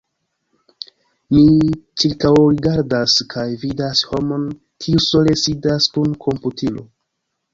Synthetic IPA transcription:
mit͡ʃiɾkawɾiɡaɾdaskʰajvidasho̞mo̞n | kʰiuso̞le̞sidaskunkʰo̞mputʰilo̰

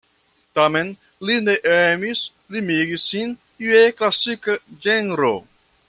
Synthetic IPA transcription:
t̪amen | lineʔemis | limiɡisːin | ieklasikəd͡ʒenɾo

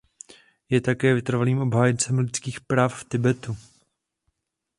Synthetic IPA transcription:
jɛt̪akɛːvɪt̪r̩valiːmʔo̞bɦaːjɛnt͡sɛmlɪt̪t͡skiːxpɾaːfft̪ɪbɛt̪u

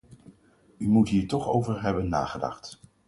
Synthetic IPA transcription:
ymutɦiːɹtɔχowvəɹɦɛbənːa̰ːχədɑ̰χt

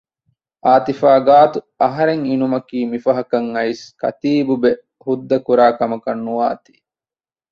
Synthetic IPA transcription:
ʔaːt̪ifaːɡaːt̪u | ɐɦɐɾeŋinumɐkiːmifɐɦɐkɐŋɐiskɐ̰t̪iːbube | hud̪ːɐkuɾaːkɐmɐkɐnːuʋaːt̪i̥

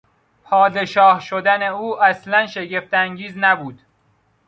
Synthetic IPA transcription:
pʰɒːd̪e̞ʃɒːhʃod̪æne̞uːʔæslænʃe̞ɟe̞ft̪æŋɟiːznæbuːd̪̥

